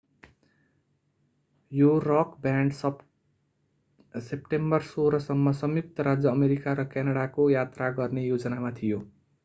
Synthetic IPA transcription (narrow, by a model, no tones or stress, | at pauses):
joɾʌkbaɳɖsʌ | sepʈembʌrsoɾʌsʌmːʌsʌmjuk̚t̪ʌɾad͡zjʌːmeɾikaɾʌkjanʌɽakojat̪raɡʌrnejod͡zʌnamat̪ʰijo